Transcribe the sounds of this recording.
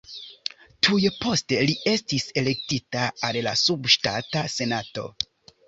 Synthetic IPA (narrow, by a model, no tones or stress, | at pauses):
tʰujepo̞ste̞lie̞stise̞le̞k̚titaallasubʃtatase̞nato̞̰